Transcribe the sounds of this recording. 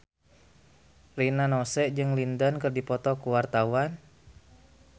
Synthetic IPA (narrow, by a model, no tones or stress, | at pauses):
rinanɔsɛʔd͡ʒɨŋlindənkɨrdipɔt̪ɔkuwart̪awan